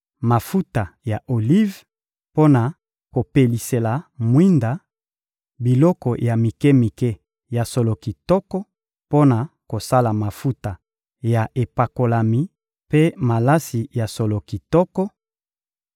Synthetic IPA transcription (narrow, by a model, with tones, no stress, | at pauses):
ma˨fu˦ta˨ja˨ʔo˨li˦v | po˦na˨ | ko˨pe˨li˨se˨la˨mwi˦nda˨ | bi˨lɔ˦kɔ˨ja˨mi˨ke˦mi˨ke˦ | ja˨so˨lo˨ki˨tɔ˦kɔ˦ | po˦na˨ko˨sa˦la˨ma˨fu˦ta˨ | ja˨ʔe˨pa˨ko˨la˨mi˨ | pe˦ma˨la˦si˨ja˨so˨lo˨ki˨tɔ˦kɔ˦